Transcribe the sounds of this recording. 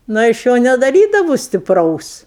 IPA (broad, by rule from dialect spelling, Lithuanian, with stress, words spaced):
ˈnʊ ɪ ˈɐʃ ˈjoː nʲɛdɐˈrʲiːdɐʋʊ sʲtʲɪpˈrɐʊs